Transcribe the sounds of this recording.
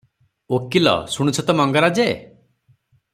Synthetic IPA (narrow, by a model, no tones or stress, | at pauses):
okilɔ̰suɽ̃ut͡ʃʰɔt̪ɔmɔŋɡɔɾad͡ʒe